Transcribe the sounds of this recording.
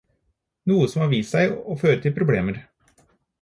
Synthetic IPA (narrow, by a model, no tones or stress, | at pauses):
nuːəsɔmhɑːɾʋiːsæɪoːføːɾət̪ʰɪlpʰɾʊbleːməɾ